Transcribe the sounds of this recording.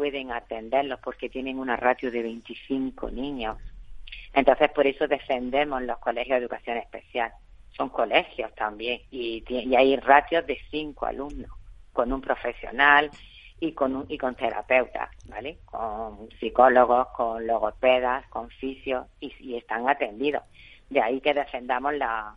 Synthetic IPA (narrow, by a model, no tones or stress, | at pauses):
pwe̞ðe̞ŋat̪e̞nd̪e̞ɾlo̞hpo̞ɾke̞t̪jenẽ̞ŋunarat̪joðe̞β̞e̞jnt̪iθiŋko̰nĩɲo̞sent̪o̞nθe̞spo̞ɾe̞soðe̞fe̞nd̪e̞mo̞zlo̞hko̞le̞xjoðeðukaθjo̞ne̞hpe̞θjal | so̞ŋko̞le̞xjo̞st̪ambje̞ŋit̪jeiajrat̪jo̞zðe̞θiŋkoa̰lumnosko̞nũmpɾo̞fe̞sjo̞̰nal | ikonuiko̞nt̪e̞ɾa̰pe̞wt̪a̰bale̞koŋsiko̞lo̞ɣ̞o̞hkoŋlo̞ɣ̞o̞pe̞ðaskõ̞ɱfisjo̞sisie̞st̪aŋat̪ẽ̞nd̪iðo̞̰sd̪eaike̞ðe̞fe̞nd̪amo̞ɦla